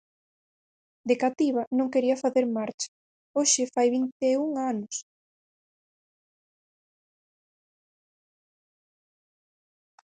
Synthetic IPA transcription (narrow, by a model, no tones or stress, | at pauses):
d̪ekat̪iβɐnõŋkeɾiɐfaθeɾmaɾt͡ʃḁ | oʃɪfajβint̪euŋanʊs